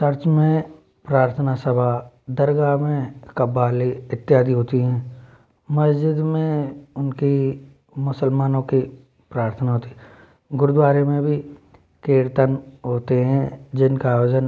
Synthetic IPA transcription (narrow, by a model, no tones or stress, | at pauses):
sɐɾt͡ʃmẽ | pɾaːɾt̪ʰənasɐbʱa | d̪ɐɾɡamẽkɐbːaːliɪt̪ːjaːd̪ʱiɦoːt̪iɦɛ̃ː | mɐsd͡ʒɪd̪mẽʊnki | mʊsəlmaːnõki | pɾaːɾt̪ʰənaɦoːt̪iɦɛ | ɡʊɾʊd̪waːɾemẽbʱi | keːɾt̪ənɦoːt̪eɦɛ̃d͡ʒɪnkaːjoːd͡ʒən